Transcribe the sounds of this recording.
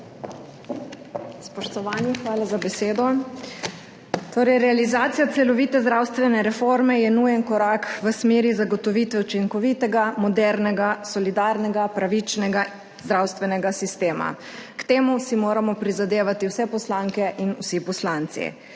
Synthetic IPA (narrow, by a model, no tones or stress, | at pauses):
spɔʃt̪ɔʋaːnixʋaːlazabɛseːd̪ɔ | t̪oːɾɛjɾɛalizaːt̪sijat̪sɛlɔʋiːt̪ɛzd̪ɾawst̪ʋɛnɛɾɛfoɾmɛjɛnujɛnkɔɾaːkʋəsmeːɾizaɡɔt̪ɔʋit̪ʋɛut͡ʃiŋkɔʋit̪ɛɡamɔd̪ɛɾnɛɡasɔlid̪aɾnɛɡapɾaʋit͡ʃnɛɡa | zd̪ɾawst̪ʋɛnɛɡasist̪eːma̰ | kt̪eːmusimoːɾamɔpɾizad̪eːʋat̪iwsɛpɔslaŋkɛʔinusipɔslant̪sḭ